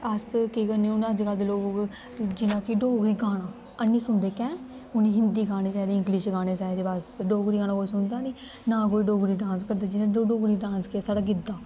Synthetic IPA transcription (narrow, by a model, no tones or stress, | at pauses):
əskekəniːʊnad͡ʒkald̪eloːɡk | d͡ʒɪnãːkɪɖoːɡɾiːɡaːɽ̃aː | ənːĩːsʊnd̪eːkɛ̃ː | ʊnĩːɦɪnd̪iːɡaːɽ̃eːkɛːd̪eːɪ̃ŋɡlɪʃɡaːɽ̃eːsaːɾeːbaːsɖoːɡɾiːɡaːnãːkoːiːsʊnd̪aːniː | nãːkoːiːɖoːɡɾiːɖãːnskəɾd̪aːd͡ʒɪnãːoːɖoːɡɾiːɖãːnskesaːɖaːɡɪd̪aː